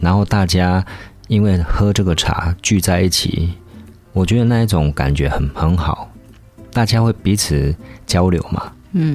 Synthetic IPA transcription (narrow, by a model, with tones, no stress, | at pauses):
na˧˥nxo˥˧ʊt̪a˥˩t͡ɕja˥ | i˦˥nwe˥˩ɪxɤ˥ʈ͡ʂɤ˥˩ɡə˩ʈ͡ʂʰa̰˨˩˦t͡ɕy˥˧t͡sa˥˧ɪi˥˩t͡ɕʰḭ˨˩˦ | wɔ˨˩t͡ɕɥɛ˧˥d̪ə˨˩na˥˧i˥˩ʈ͡ʂʊ˨˩˦ŋka̰˨˩nt͡ɕɥɛ˧˥xə˨˦nxə˧˥nxɑ˨˩˦ʊ | t̪a˥˩t͡ɕja˥xwe˥˩ɪpi˨˥t͡s̩ʰ˨˩t͡ɕjɑ˦˥ʊljo˧˦ʊma̰˨˩˥